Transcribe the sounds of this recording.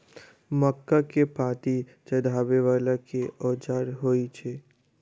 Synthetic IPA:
məkːakepãːt̪i | t͡ʃəd̪ʱaːbeʋaːlakeʔɔːd͡ʒaːɾɦoːit͡ʃʰeː

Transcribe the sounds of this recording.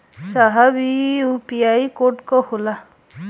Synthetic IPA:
saɦabiupiajkoʈkɔhula

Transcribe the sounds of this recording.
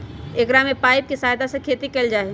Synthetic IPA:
eːkɾaːmẽpaːɪp̚kisaːɦd̪asekʰeːt̪ikeld͡ʒaːe

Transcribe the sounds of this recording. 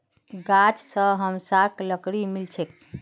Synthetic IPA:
ɡat͡ʃsəɦəmsakləkɽimilt͡ʃʰek̚

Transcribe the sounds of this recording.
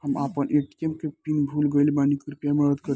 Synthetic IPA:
həmapənʔeʈiemkepinbʱulɡəjlbanikɾupjaməɾəd̪kəɾ

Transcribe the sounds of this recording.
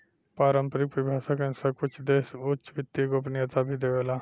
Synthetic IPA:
paːɾə̃mpəɾɪkʋɪbʱaːsəkẽnsəkʊt͡ʃʰd̪eːsʊt͡ʃʋɪt̪ːiɡoːpnijət̪abʱid̪eʋelaː

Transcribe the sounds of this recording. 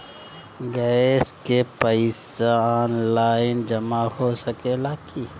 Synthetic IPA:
ɡɛskepəɪseaːnlaːɪnd͡ʒɐmahosəkelaːki

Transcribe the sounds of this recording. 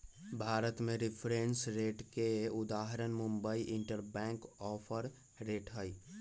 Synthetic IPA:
bʱaːɾət̪mẽɾɪpʰɾẽːnsɾeːʈkeʊd̪aːɦɾənmʊ̃mbəiʔɪ̃ɳʈəɾbɛ̃ːŋkɔːpʰəɾ | ɾeːʈɦəi

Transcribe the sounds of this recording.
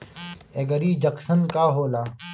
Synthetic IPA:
eːɡəɾiːd͡ʒɐksənkaːɦoːlaː

